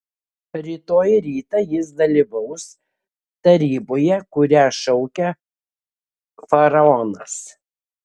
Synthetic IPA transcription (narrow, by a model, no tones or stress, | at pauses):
ɾʲiːt̪oːjɾʲiːt̪ɐjɪs̬d̪ɐlʲiːʋɐʊs | t̪ɐɾʲiːboːjɛkʊɾʲæːʃɔʊkʲɛ | fɐɾɐɔnɐs